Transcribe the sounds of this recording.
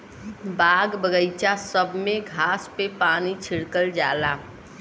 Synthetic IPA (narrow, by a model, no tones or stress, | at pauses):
baɡbəɡəɪt͡ʃasəbʱmẽɡʱaspepaːnit͡ʃʰiɽkəld͡ʒaːla